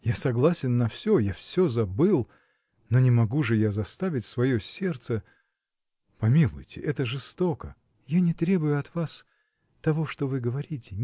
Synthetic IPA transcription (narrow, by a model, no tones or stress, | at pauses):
jasɐɡlˠasʲɪnːɐfsʲojafsʲozɐbɨlˠ | nonʲɪmɐɡuʐɨjazɐst̪avʲɪtʲsvɐjosʲe̞rt̪sə | pɐmʲilˠʊ̰jtʲɪ̰ʔɛt̪əʐɨst̪okə | janʲɪt̪ɾʲe̞bʊjʊɐt̪vas | t̪ɐvo̞ʂt̪ovɨɡəvɐɾʲitʲɪ